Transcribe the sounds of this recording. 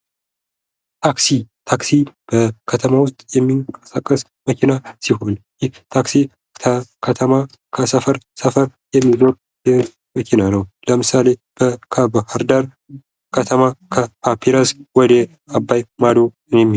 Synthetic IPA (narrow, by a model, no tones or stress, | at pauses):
t̪ʰaksit̪ʰaksib̥əkʰət̪ʰəmawʊst̪ʼjɛmːikʼə̥sakʼːəs | məkʰinasiɦo̞njɪht̪ʰaksi | əkʰət̪ʰəma | kʰəsəfəɾsəfəɾjɛmːizo̞ɾ | jɛ | məkʰinanəwləmɨsale̞b̥əkʰəbəhaɾd̪aɾ | kʰət̪ʰəmakʰəpʰapʰiɾaswɔd̪ə | abːajmad̪o | ɨnemː